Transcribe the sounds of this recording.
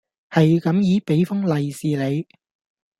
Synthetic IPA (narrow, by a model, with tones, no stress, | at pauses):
hɐ˨jkɐ˨˥mjiː˨˥pe˨˥jfʊ˥ŋlɐ˨jsiː˨le˨˧j